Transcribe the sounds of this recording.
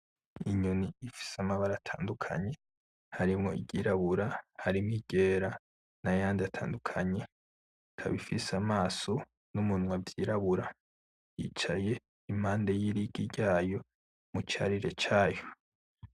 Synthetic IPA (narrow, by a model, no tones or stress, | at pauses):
iɲuniːfi̥samaβaɾaːtʰa̰ːndukʰa̰ɲe̞ | haɾimŋo̞̰ḭɟɟiːɾaβuɾahaɾimŋiɟ̥eːɾa | najaːndiatʰa̰ːndukʰaɲe̞ | kʰa̰βifisamaːso | numunwabɟiɾaβuɾa | jḭt͡ʃaje̞ | im̥haːndejiɾiɡiɟaːjo̞ | mut͡ʃa̰ɾiɾe̞t͡ʃaːjo